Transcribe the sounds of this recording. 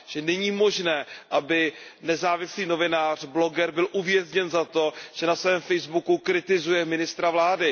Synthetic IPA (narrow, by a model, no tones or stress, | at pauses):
ʒ̥ɛnɛɲiːmo̞ʒnɛːʔabɪnɛzaːvɪsliːno̞vɪnaːr̝̥blo̞ɡɛɾbɪlʔuvjɛzɲɛnzat̪o̞ʒ̥ɛnasvɛːmfɛjzbukukɾɪt̪ɪzujɛmɪnɪst̪ɾavlaːdɪ